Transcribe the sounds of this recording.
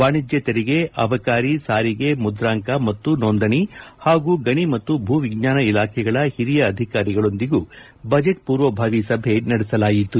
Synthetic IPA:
ʋaːɳid͡ʒjɐt̪eɾiɡe̞ʔɐʋɐkaːɾisaːɾiɡe̞mud̪ɾaːŋkɐmɐt̪ːunoːnd̪ɐɳihaːɡuːɡɐɳimɐt̪ːubʱuːʋiɡɲaːnɐilaːkʰɛɡɐɭɐhiɾijɐːd̪ʱikaːɾiɡɐɭo̞nd̪iɡuː | bɐd͡ʒeʈ̚puːɾʋɐbʱaːʋisɐbʱe̞nɐɽɛsɐlaːjit̪ːu

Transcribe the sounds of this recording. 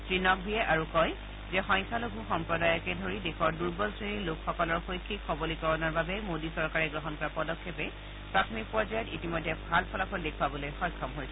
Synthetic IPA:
tɹinɔk̚bʱijɛʔaɹukɔj | zɛxɔjŋkʰalobʱuxɔmpɹɔdajɔkɛdʱoɹidekʰɔɹduɹbɔsɹinilʊkxɔkɔlɔɹxojkʰːikxɔbɔlikɔɹɔnaɹbabɛmodisɔɹkaɹɛɡɹɔɦɔnkɔɹapɔdɔkʰːepɛ | pɹatʰɔmik̚pɔɹzajɔtitimɔjdʱːɛbʱalpʰɔlapʰɔldekʰwabɔlojxɔjkʰːɔmɦojsɛ

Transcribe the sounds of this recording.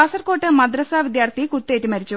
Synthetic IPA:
ɐsɐrko̞ːʈːɨmɐd̪rɐsaːʋid̪jaːrt̪ʰikut̪ːe̞ːʈːimɐɾit͡ɕːu

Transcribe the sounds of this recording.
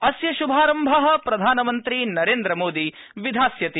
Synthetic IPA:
ɐsjɐʃubʱaːɾɐmbʱɐɦɐ̆pɾɐd̪ʱaːnɐmɐnt̪ɾinɐɾeːnd̪ɾɐmoːd̪i | ʋid̪ʱaːsjɐt̪i

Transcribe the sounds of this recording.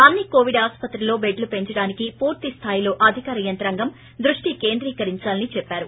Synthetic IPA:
ɐnːikoːʋiɖaːspɐt̪ɾilo̞ːbe̞ɖlupe̞ɲt͡ʃɐɽaːnikipuːɾt̪ist̪ʰaːjilo̞ːʔɐd̪ʱikaːɾɐjɐnt̪ɐɾɐŋɡɐm | d̪ɾuʂʈike̞ːnd̪ɾiːkɐɾiɲt͡ʃaːlɐnit͡ʃɛpːaːɾu

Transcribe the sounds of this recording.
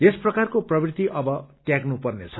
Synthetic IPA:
esprʌkarkoprʌbrit̪iʔʌbʌʈjaɡnupʌrnet͡sʰʌ

